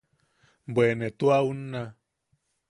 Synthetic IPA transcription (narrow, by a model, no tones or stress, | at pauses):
bwenet̪uaunːa